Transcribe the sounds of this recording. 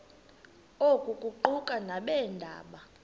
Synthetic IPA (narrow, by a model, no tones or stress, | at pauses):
okʼukʼuǃukʼanaɓɛːndʱa̰ːɓa